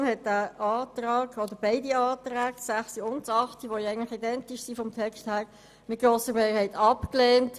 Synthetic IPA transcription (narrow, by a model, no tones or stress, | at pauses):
mhɛt̚d̥æːʔɑːt̪ɾɑːɡ̥ɔd̥̪əɾbɛɪdiɑːtɾæːɡ̥sæχsiʊntɑχtiʋɔjɛɪənləχidɛntɪʃsifɔmtʰɛksthæːɾ | mɪt̚ɡ̥ɾoːsəɾmɛːhɛɪtɑpklɛːnt